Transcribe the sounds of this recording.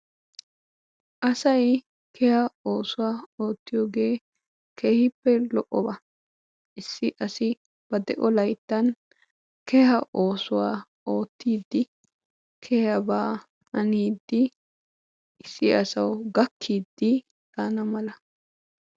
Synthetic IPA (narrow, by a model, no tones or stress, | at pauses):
ʔɐsɐj | kʰɛhɐo̞ːsʊwaːo̞ːt̪ːɪjoːɡe̞ː | keːhɪpːɛlɔʔːɔbɐ | ʔɪsːɪʔɐsɪ | b̥ɐd̪ɛʔɔlɐjt̪ːɐn | kɛhɐʔo̞ːsʊwaː | o̞ːt̪ːiːd̪ːɪ | kʰɛhɐbaː | ɐniːd̪ːɪ | ɪsːɪɐsɐwɡɐkʰːiːd̪ːɪ | t̪aːnɐmɐlɐ